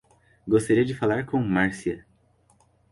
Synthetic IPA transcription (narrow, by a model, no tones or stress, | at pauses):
ɡost̪aɾiɐd͡ʒɪfalaɾkõmaɾsiɐ